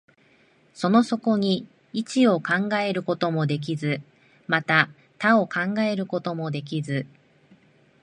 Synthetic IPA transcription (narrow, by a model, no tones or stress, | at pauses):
so̞no̞so̞ko̞ɲ̟i | it͡ɕio̞kãŋɡae̞ɾɯ̟ko̞t̪o̞mo̞d̪e̞k̬ʲizɨ | mat̪a | t̪ao̞kãŋɡae̞ɾɯ̟ko̞t̪o̞mo̞d̪e̞k̬ʲizɨ